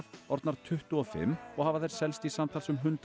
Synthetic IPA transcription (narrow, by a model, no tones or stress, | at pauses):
ɔɾt̪naɾ̥t̪ʰʏht̪ʏɔfɪ̰mːɔɣhavaθajɾ̥sɛlst̪isamt̪ʰaːlsʏmɦʏnt̪